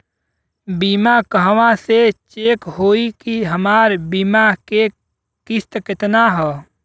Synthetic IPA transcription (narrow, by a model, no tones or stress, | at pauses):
biːmakəɦʋãset͡ʃeːkɦoːikiɦəmaːɾbiːmake | kɪst̪kɪt̪naɦɛː